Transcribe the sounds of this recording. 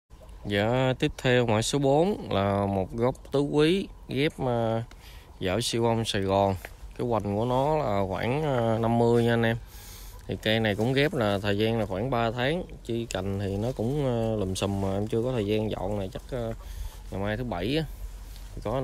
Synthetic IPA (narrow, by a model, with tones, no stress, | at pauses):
za̰ː˧˩t̪i˦˥əp̚t̪ʰɛ˧wmwa̰ː˧˩jso˨˦ɓo˨˦nlaː˨˩mo˨˩t̚ɣɔ˦˥wk͡p̚t̪ɨ˨˦kwi˨˦ɣɛ˦˥p̚əː˧ | zə̰ː˧˩si˧wʔa˧wŋ͡msa˨˩jɣɔ˨˩nkaː˨˦jkwa˨˩ŋ̟ku˧˩ənɔ˨˦laː˨˩xwaː˧˩n˧na˧mːɨ˧əjɲa˧ə˧nʔɛ˧m | t̪ʰi˨˩ka˧jna˨˩jkʊ̰˧˥ŋ͡mɣɛ˦˥p̚laː˨˩t̪ʰəː˨˩jzaː˧nlaː˨˩xwaː˧˩nɓaː˧t̪ʰaː˨˦ŋ | t͡ɕi˧ka˨˩jŋ̟t̪ʰi˨˩nɔ˨˦kʊ̰˧˥ŋ͡mlə˨˩msə˨˩mmaː˨˩ʔɛ˧mt͡ɕɨ˧əkɔ˨˦t̪ʰəː˨˩jzaː˧nzɔ̰˧˨nnaː˨˩t͡ɕa˦˥k̚ʔː | ŋa˨˩jmaː˧jt̪ʰɨ˨˦ɓa˧˩jʔː | ttt̪ʰi˨˩kɔ˨˦